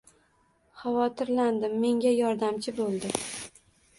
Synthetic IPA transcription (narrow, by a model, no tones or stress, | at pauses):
χavɒt̪ʰɪɾland̪ɪmːe̞ŋɡʲajɒɾd̪amt͡ʃʰɪbolˠd̪ɪ